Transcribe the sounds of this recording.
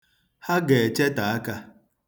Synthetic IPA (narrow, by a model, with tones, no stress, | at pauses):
ha˦ɡe˨t͡ʃe˦ta˨a˦ka˦